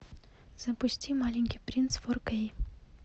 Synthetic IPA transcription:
z̥ɐpusʲtʲimalʲiŋʲkʲipɾʲint̪sforkej

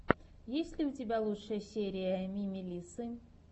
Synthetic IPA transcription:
jesʲlʲɪʊtʲɪbʲalˠutʂəjəsʲeɾʲɪjəmʲimʲɪlʲisɨ

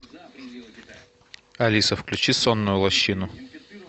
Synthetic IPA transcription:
ɐlʲisəfklʲʉt͡ɕisonːʊjʊlˠɐɕːinʊ

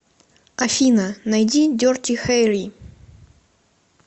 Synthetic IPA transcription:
ɐfʲinənɐjdʲidʲortʲixajɾʲi

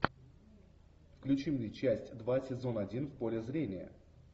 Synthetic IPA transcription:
fklʲʉt͡ɕimnʲet͡ɕæsʲtʲd̪vasʲɪzo̞nɐdʲinfpo̞lʲɪzɾʲenʲɪjə̰

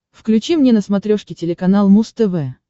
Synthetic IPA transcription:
fklʲʉt͡ɕimnʲenəsmɐt̪ɾʲoʂkʲɪtʲɪlʲɪkɐnalˠmust̪ɛvɛ

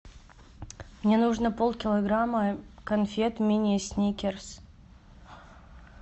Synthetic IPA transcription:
mnʲenuʐnəpolˠkʲɪlˠɐɡɾamːəkɐnfʲet̪mʲinʲɪəsʲnʲikʲɪrs

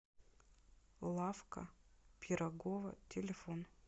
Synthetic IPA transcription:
lˠafkɐ̰pʲʰɪɾɐɡovɐ̰tʲʰɪlʲɪfon

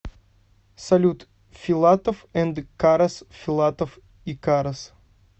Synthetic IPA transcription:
salʲut̪ | fʲilˠat̪ofɛ̃nd̪kaɾɐsfʲilˠat̪of | ikaɾɐs

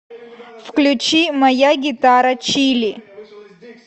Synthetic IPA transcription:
fklʲut͡ʃimajaɡʲitaɾat͡ʃʰilʲi

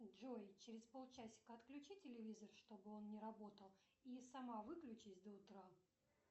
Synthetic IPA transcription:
ʐojt͡ɕɪɾʲɪspo̞lˠt͡ɕæsʲɪ̥kəɐt̪klʲʉt͡ɕitʲɪlʲɪvʲizərʂt̪o̞bɨo̞nnʲɪɾɐbo̞t̪əlˠ | isɐmavɨklʲʉt͡ɕɪsʲd̪əʊt̪ɾa

